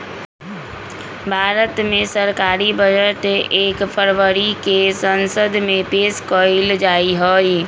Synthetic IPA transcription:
bʱaːɾət̪mẽsəɾkaːɾibəd͡ʒəʈeːkpʰəɾʋəɾikesənsəd̪ʱmẽpeːskɔɪld͡ʒaːiɦɔːi

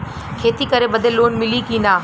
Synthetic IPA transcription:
kʰeːt̪ikɐɾeɓəd̪əlːoːnmɪlikĩːnaː

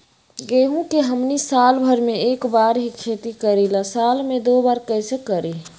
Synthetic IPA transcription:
ɡeːɦũkeɦəmnisaːlbʱəɾmẽeːkbaːɾɦikʰeːt̪ikəɾilasaːlmẽd̪oːbaːɾkəsekəɾi

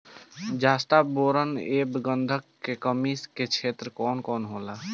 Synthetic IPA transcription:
d͡ʒaːst̪aboːɾəneːbɡənd̪ʱəkːekəmisket͡ʃʰeːt̪ɾəkɔːnkɔːnɦoːla

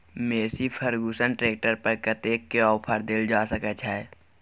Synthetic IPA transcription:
meːsipʰəɾɡuːsənʈɾeːk̚ʈəɾpɾkət̪eːkːeɔːpʰəɾd̪ɪld͡ʒaːsəkət͡ʃʰaɛ

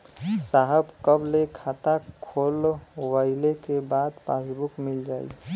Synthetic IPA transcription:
saɦəbkəblekʰat̪akʰoːlwəɪlekebaːd̪pasbʊkmɪld͡ʒaːḭ

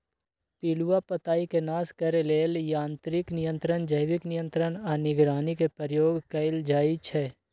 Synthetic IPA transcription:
piːluwapət̪aːikenaːskɐɾeleːljãːnt̪ɾɪknɪjə̃nt̪ɾənd͡ʒəjʋɪknɪjə̃nt̪ɾənanɪɡɾaːnikepəɾjoːɡkɐɪld͡ʒaːit͡ʃʰɛː

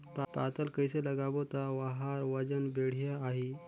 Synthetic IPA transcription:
ppat̪əlkəjseləɡaʋot̪aʋaɦaɾʋəd͡ʒənbeɽ̤jaːɦi

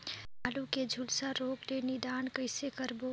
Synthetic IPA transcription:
aluked͡ʒʱulsaɾoːɡd̪enid̪aːnkəɪsekəɾbo

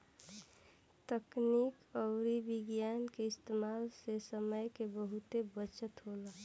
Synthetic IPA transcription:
t̪əknikɔʊɾibɪɡjankeɪst̪emaːlsesəməjkebəɦut̪ebət͡ʃət̪ɦola

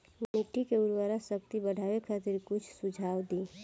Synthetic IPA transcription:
miʈikeʊɾwaɾasək̚t̪ibəɽʱawekʰat̪iɾkʊt͡ʃʰsud͡ʒʱaːwd̪i

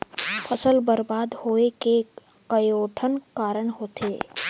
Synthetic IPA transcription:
pʰɐsəlbəɾbaːd̪hoːeke | kəjoːʈʰənkaːɾəɳ̃ɦoːt̪ʰḛː

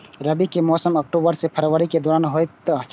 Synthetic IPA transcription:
ɾɐbikemɔːsəmɐk̚ʈoːbəɾsepʰɐɾʋəɾiked̪ɔːɾaːnɦoːjt̪

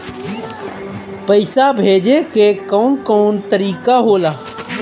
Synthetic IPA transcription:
pəɪsabʱeːd͡ʒekekəʊnkɔʊnt̪əɾiːkaɦolaː

